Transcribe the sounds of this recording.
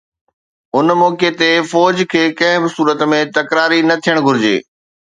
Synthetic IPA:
ʊnmɔːket̪efɔːd͡ʑkʰeːkɐ̃ɦɪ̃bɪsuːɾət̪mẽt̪ɐkɾaːɾinɐt̪ʰijəɽ̃ɡʱʊɾɪd͡ʑḛː

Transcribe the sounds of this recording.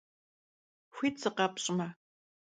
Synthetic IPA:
xʷiːtt͡sɨqɐpɕʼmɐ

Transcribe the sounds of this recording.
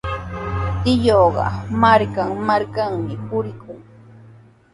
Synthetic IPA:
t̪ɪjoɢɑ̰maɾkaŋmaɾkaŋmɪpʊɾɪkʊŋ

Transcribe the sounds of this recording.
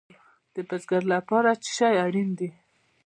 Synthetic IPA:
d̪̥əbazɡaɾlapɑɾat͡ʃɪ̥ʃɑjaɽind̪i

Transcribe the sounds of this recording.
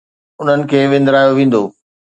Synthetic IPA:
ʊn̤ənɪ̆kʰeːʋɪ̃nd̪ɾaːjoʋĩːn̆d̪oː

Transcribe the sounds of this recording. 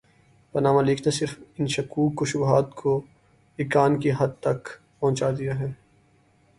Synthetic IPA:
pɐnaːmaliːkʰnasɪɾfɪnʃɐkuːkːoʃʊbɦaːt̪kʰo | ɪːkaːnkiɦɐd̪̚t̪ɐk | pɐ̃ɦʊ̃t͡ʃaːd̪ijaɦɛː

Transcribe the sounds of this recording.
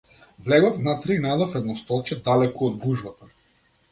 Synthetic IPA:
vlɛɡɔvnat̪ɾɛinaɛd̪ɔfɛd̪nɔst̪ɔlˠt͡ʃɛd̪alɛkɔɔd̪̚ɡuʒbat̪a

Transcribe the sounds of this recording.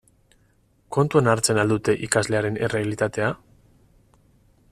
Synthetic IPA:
ko̞nt̪uanaɾt͡se̞nald̪ut̪e̞ʔikazle̞aɾe̞nere̞alit̪at̪e̞a

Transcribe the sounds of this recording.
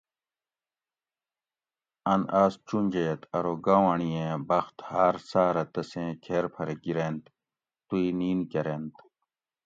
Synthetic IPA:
ɐnaːst͡ɕunʲd͡ʑejet̪ʰɐɾoːɡawaɳijẽːbɐxt̪haːɾsaːɾɐt̪ɐsẽːkʰeːɾpʰɐɾeɡiɾent̪ | t̪uiniːnkɐɾent̪

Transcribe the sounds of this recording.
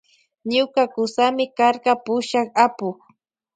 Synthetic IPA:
ɲʊkakʊsamɪkaɾɢɑpʊʃɑχapʊχ

